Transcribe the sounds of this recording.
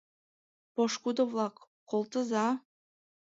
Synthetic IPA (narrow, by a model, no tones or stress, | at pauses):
poʃkud̪ovlˠɑkː | olˠt̪ɤ̆zɑ